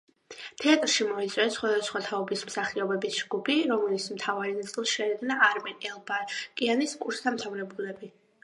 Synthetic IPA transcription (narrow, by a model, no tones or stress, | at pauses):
t̪ʰɛat̪ʼɾʃimɔit̪sʼwɛsχwad̪asχwat̪ʰaɔbismsaχiɔbɛbisd͡ʒɡubiɾɔmɛlit̪smt̪ʰavaɾinat̪sʼilˠsʃɛɾɛɡ̪naaɾmɛnɛlˠbakʼianiskʼuɾst̪ʰamt̪ʰavɾɛbulɛbi